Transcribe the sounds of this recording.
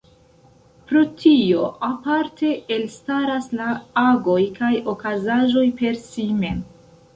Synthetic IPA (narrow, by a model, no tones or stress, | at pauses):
pɾotʰio̞ʔapaɾtʰe̞elstaɾaslaaɡo̞jkajo̞kazaʒo̞jpe̞ɾsime̞m